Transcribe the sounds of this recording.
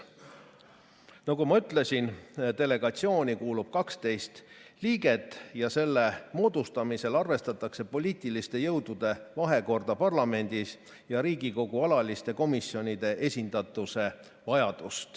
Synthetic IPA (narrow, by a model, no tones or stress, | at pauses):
nɑɡumɑyt̪ˑle̞sʲint̪e̞le̞ɡ̥ɑt̪sio̞ːnʲikuːlub̥̚kɑkst̪e̞jst̪liːɡe̞t̪ˑːjɑse̞lːe̞mo̞ːd̪̥ust̪ɑmise̞lɑrve̞st̪ɑt̪ːˑɑkse̞po̞lʲiːt̪ˑilist̪e̞jɤwd̪̥ud̪̥e̞vɑɦe̞ko̞rd̪̥ɑpɑrlɑme̞nʲd̪̥is | jɑɾiːɡiko̞ɡ̥uɑlɑlist̪e̞ko̞misjo̞nʲid̪e̞ʔe̞sʲind̪̥ɑt̪ːˑuse̞ | vɑjɑd̪̥ust̪